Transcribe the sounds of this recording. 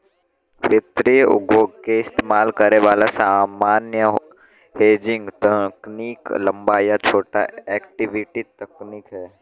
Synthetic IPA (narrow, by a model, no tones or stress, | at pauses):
ʋɪt̪ɾijʊ̰ɡoːɡkeɪst̪eːmaːlkəɾeʋaːlasaːmaːnjə | heːd͡ʒɪ̃ŋɡt̪əkniːklɐ̃mbajat͡ʃʰoːʈa̰ɛːkʈɪʋɪʈit̪ɐknikɦɛ